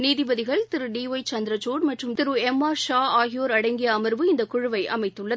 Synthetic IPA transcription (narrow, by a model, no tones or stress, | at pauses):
niːðɪbɐðɪɣɐɭt̪ɪɾɯɖiːʋɐɪt͡ʃɐnd̪ɾɐt͡ʃoːɽmɐʈrɯmt̪ɪɾɯɛmːaːɾʃaːaːɣɪjoːɾɐɽɐɪŋɡɪjɐːmɐɾʋɯɪnd̪ɐkʊɻʊʋɐɪʔɐ̰mɐɪt̪ːɯɭːɐðɯ